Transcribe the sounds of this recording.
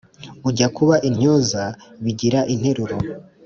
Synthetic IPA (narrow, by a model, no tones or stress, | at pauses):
uɟakuβaʔin̥ɲ̥ozaβiɟiɾaʔin̥he̞ɾuɾo